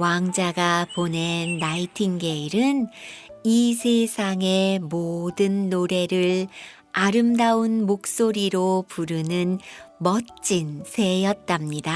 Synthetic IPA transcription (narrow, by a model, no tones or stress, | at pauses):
waŋd͡ʑaɡapone̞nːaitʰiŋɡe̞iɾɯnisʰesʰaŋe̞modɯnːoɾe̞ɾɯɭ | aɾɯmdaunmok̚s͈oɾiɾopuɾɯnɯnmʌt͡ɕ͈insʰe̞jʌt̚t͈amɲida